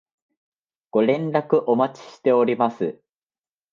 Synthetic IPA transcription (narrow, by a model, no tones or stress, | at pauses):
ɡ̥o̞ɾẽ̞nɾakɯ̟ʔo̞mat͡ɕi̥ɕi̥t̪e̞o̞ɾʲimasɨ